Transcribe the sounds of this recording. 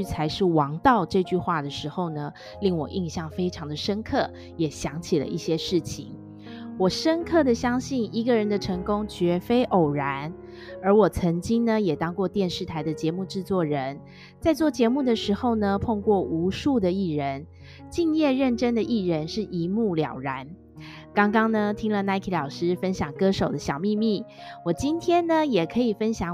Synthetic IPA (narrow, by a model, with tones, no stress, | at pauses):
y˥t͡sʰa˧˥ɪʂɻ̩˥˩wɑ˧˥ŋt̪ɑ˥˧ʊʈ͡ʂɤ˥˧t͡ɕy˥˧xwa˥˩d̪ə˩ʂɻ̩˧˥xo˥˩ʊnə˩ | li˥˩ŋwɔ̰˨˩ʔi˥˧ŋɕjɑ˥˩ŋfe˥ɪʈ͡ʂʰɑ˧˥ŋd̪ə˨ʂə˥nkʰɤ˥˩ | jɛ˨˩ɕjɑ˧˥ŋt͡ɕʰi˨˩lə̰˦ʔi˥˩ɕjɛ˥ʂɻ̩˥˩t͡ɕʰḭ˨˩ŋ | wɔ˨˩ʂə˥nkʰɤ˥˩d̪ə˩ɕjɑ˥ŋɕi˥˩ni˧˥ɡə˧˨ɻə˧˥nd̪ə˧ʈ͡ʂʰɤ˧˥ŋkʊ˥ŋt͡ɕɥɛ˧˥fe˥ɪʔo˨˩ʊɻa˧˥n | ə˞˧˥wɔ˨˩t͡sʰə˧˥ŋt͡ɕi˥ŋnə˨jɛ˨˩t̪ɑ˥ŋkwɔ˥˧t̪jɛ˥˧nʂɻ̩˥˩t̪ʰa˧˥ɪd̪ə˨t͡ɕjɛ˧˥mu˥˧ʈ͡ʂɻ̩˥˧t͡swɔ˥˩ɻə˧˥n | t͡sa˥˧ɪt͡swɔ˥˩t͡ɕjɛ˧˥mu˥˩d̪ə˩ʂɻ̩˧˥xo˥˩ʊnə˩pʰo˥˧ŋkwɔ˥˩ʔu˧˥ʂu˥˩d̪ə˩i˥˩ɻə˧˦n | t͡ɕi˥˧ŋjɛ˥˧ɻə˥˩nʈ͡ʂə˥nd̪ə˨ʔi˥˩ɻə˧˦nʂɻ̩˥˩ʔi˧˥˦mu˥˩ljɑ̰˨˩ʊɻa˧˥˦n | kɑ˥ŋkɑ˥ŋnə˨t̪ʰi˥ŋlə˨na˧˥ɪkʰi˧˥lɑ˨˩ʊʂɻ̩˥fə˥nɕjɑ˨˩ŋkɤ˥ʂo˨˩ʊd̪ə˦ɕjɑ˨˩ʊmi˥˧mi˥˩ | wɔ˨˩t͡ɕi˥nt̪ʰjɛ˥nnə˨jɛ˨˩kʰɤ˧˥i˨˩fə˦˥nɕjɑ˨˩ŋ